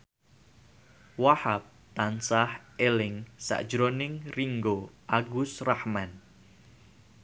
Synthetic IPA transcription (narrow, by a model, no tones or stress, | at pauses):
wahap̚ | t̪ansahʔelɪŋsa̰ʔd̥ʒ̥ɾonɪŋriŋɡoʔaɡʊsrahman